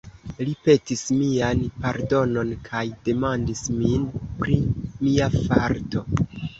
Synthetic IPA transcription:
lipe̞tismianpaɾdo̞no̞nkʰajde̞mandisminpɾimiafaɾtʰo̞

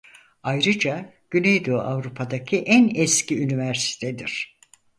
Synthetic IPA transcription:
ajɾɯd͡ʒaɟ̥ynejd̪oa̰vɾupʰad̪acʰiʔænɛscʰiynivæɾsi̥t̪ʰed̪iɾ̥

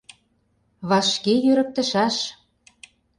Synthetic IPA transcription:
βɑʃkejøɾə̆k̚t̪ə̆ʃæʃ

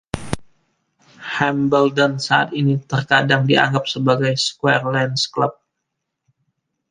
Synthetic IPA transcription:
hɛmbəldɔnsaa̰t̪init̪ərkadaŋdia̰ŋɡap̚səbaɡajskwɛrlɛnsklap̚

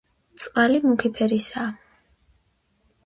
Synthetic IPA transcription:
t̪sʼqʼalimukʰipʰɛɾisa

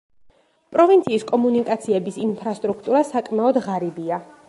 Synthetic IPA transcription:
pʼɾɔvint̪sʰiːskʼɔmunikʼat̪sʰiɛbisinpʰɾast̪ʼɾukʰt̪ʼuɾasakʼmaɔd̪ʁaɾibia

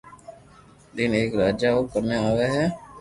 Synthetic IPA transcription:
dɪneːkɾaːd͡ʒaɦokəɾneaːʋeɦɛː

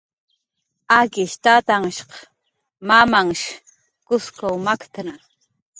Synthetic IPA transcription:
akɪʃt̪at̪aŋʃqɑ | mamaŋʃ | kʊskawmakt̪ana

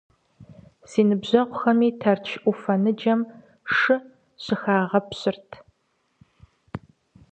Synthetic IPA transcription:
siːnɨbʑɐʁʷʊxɐmiːtʰɐrt͡ʃʰʔʷufɐnɨd͡ʒɐm | ʂɨ | ɕɨxaːʁɐpɕɪrtʰ

